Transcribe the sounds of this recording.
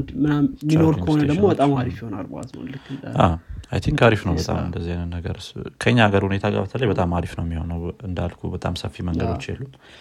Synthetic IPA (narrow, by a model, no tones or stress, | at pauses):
nd̪mɨnammino̞ɾkʰəhonəd̪əɡmobət̪ʼamaɾifjiho̞na̰lboa̰zmo̰nlɨkːɨnʔaa̰jt̪ʰiŋkaɾifnəwbət̪ʼa̰mɨnd̪əzːihajnənːəɡəɾɨskʰəɲːaɡəɾhune̞t̪ʰaɡa̰bət̪ʰələjbət̪ʼamaɾifnəwmːiho̞nəwɨnd̪alkʰubət̪ʼa̰msəfːiməŋɡəd̪o̞t͡ʃːjɛ̰lːum